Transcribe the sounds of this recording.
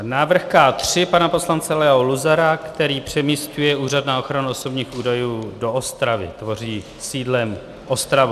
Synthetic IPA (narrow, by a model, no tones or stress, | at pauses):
naːvr̩xkaːt̪r̝̥ɪpanapo̞slant͡sɛlɛɦoluzaɾakt̪ɛɾiːpr̝̥ɛmiscujɛuːradnaːo̞xɾanuo̞so̞bɲiːxuːdajuːdo̞ʔost̪ɾavɪ̰t̪vo̞r̝iː | siːdlɛm | ʔo̞st̪ɾavu